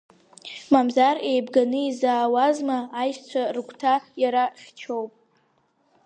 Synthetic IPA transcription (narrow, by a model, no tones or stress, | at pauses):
mamzare̞jbɡanɨizaːwazmaːjʃt͡sʷʰarkʷtʰajaɾaχʲt͡ʃʰo̞wpʼ